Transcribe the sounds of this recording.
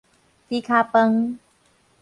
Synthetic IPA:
t̪iː˧˦kʰaː˧pə˧ŋ

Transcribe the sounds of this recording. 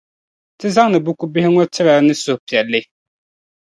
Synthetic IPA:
tɪ˦za˦ŋnɨ˨bu˦ku˦bɪ˦hɪ˦ŋɔ˦tʰɪ˦ɾa˨˦nɨ˦sʊ˨hpi˨ɛ˨lːɨ˦

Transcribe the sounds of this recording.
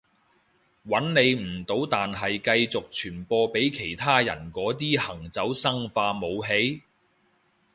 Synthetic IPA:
wɐ˨˥nne˨˧jm̩˨˩t̪o˨˥wt̪aː˨nɦɐ˨jkɐ˧jt͡sʊ˨k̚t͡ʃʰyː˨˩npɔː˧pe˨˥jkʰe˨˩jt̪ʰaː˥jɐ̰˨˩nkɔː˨˥t̪̬iː˥hɐ˨˩ŋt͡sɐ˨˥wsɐ˥ŋfaː˧mo˨˧wɦe˨˥j

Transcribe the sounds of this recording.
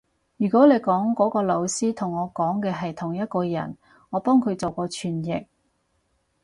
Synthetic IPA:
jyː˨˩kɔː˨˥le˨˧jkɔː˨˥ŋkɔː˨˥kɔː˧lo˨˧wsiː˥t̪ʰʊ˨˩ŋɔː˨˧kɔː˨˥ŋkɛː˧ɦɐ˨jt̪ʰʊ˨˩ŋjɐ˥t̚kɔː˧jɐ̰˨˩n | ŋɔː˨˧pɔː˥ŋkʰɵ˨˧ɥt͡so˨wkɔː˧t͡ʃʰyː˨˩njɪ˨k̚

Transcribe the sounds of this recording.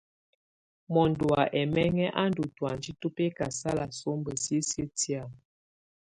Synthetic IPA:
mɔ˨ndu˨a˨ʔɛ˨mɛ˦ŋɛ˦ʔa˦ndu˨twa˨n˨d͡ʒi˦tu˦pe˦ka˨sa˦la˨so˦mbə˨sjə˦sjə˦ti˦a˨

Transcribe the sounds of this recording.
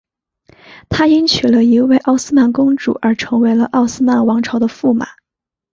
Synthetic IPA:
t̪ʰa˥i˥nt͡ɕʰy˨˩lə˦i˧˥we˥˧ɪʔɑ˥˩ʊsɹ̩˥ma˥˩nkʊ˥ŋʈ͡ʂṵ˨˩ʔə˞˧˥ʈ͡ʂʰɤ˧˥ŋwe˧˥ɪlə˧ʔɑ˥˩ʊsɹ̩˥ma˨˩nwɑ˧˥ŋʈ͡ʂʰɑ˧˥ʊd̪ə˧fu˥˩ma̰˨˩˦

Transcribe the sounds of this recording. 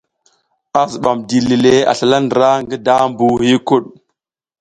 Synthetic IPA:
a˨zu˨ɓa˨mdi˨li˨le˦a̰˨ɬa˨la˦ndə˨ɾa˦ŋɡə˦da˦mbu˦hi˦ku˦ɗ̚

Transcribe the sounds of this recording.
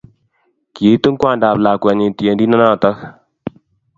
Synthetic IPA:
ki˨˦tu˦ŋ˦kwa˦˨nda˨pla˨kwɛ˨ni˨ti˨e˨ndi˦na˦na˦˨ta˦k

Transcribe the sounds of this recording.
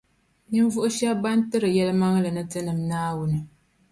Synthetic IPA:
nɨ˦m˦vʊ˦ʔʊ˦ʃɛ˦ba˦n˦tɨ˦ɾɨ˨jɛ˦lɨ˦ma˦ŋ˦lɨ˨nɨ˦tɨ˦nɨ˨mnaː˦wʊ˦nɨ˨

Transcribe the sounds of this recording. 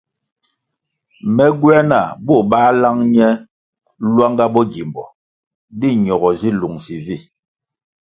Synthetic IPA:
mɛ˦ɡwɛ˦na˦˨bɔ˦˨ɓaː˦la˦ŋɲɛ˦ | lwa˦ŋɡa˦bɔ˦ɡi˨mbɔ˨ | di˦˨ɲɔ˨ɣɔ˨zi˦lu˨ŋzi˨vi˦˨

